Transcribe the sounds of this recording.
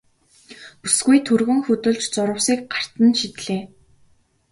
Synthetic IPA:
pusɡujt̪ʰɵrɣɵ̆ŋxɵt̪ɵ̆ɮt͡ɕt͡sʊɾə̆wsiːk̚ɢar̥t̪ə̆nʃit̪ɮeː

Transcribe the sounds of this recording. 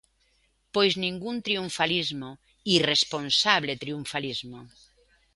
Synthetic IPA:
pojznĩŋɡunt̪ɾiuɱfalizmo | iresponsaβlet̪ɾiuɱfalizmo

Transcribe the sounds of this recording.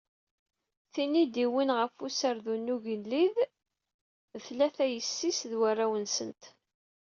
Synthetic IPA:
θinid̪iwinʁəfusəɾðunːuʝəllið | θlæθæjəsːisðwarˤːawənsənt̪

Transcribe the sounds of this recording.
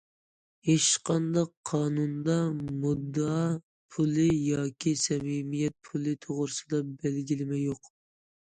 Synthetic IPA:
eʃqʰɑnd̪ɑqʰːɑːnund̪ɑmud̪ːɑ | pʰulˠɪjɑːkʲisɛmimijɛt̪̚pʰulˠɨt̪ʰoʁɾɨsɨd̪ɑbɛlɡʲilɪmɛjoq

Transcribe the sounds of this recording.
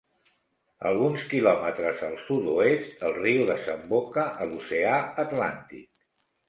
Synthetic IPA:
ə̰lˠɣunskilɔmət̪ɾəzəlˠsud̪uest̪əlˠriuðəzəmbokəʔəluseaət̪la̰nt̪ḭk̚

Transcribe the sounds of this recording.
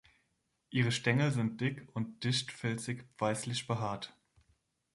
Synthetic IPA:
ʔiːʁ̞əʃtɛŋl̩zɪnt̚d̥ɪkʊnt̚d̥ɪçtfɛlt͡sɪkpv̥aɪslɪçb̥əɦaːɐt

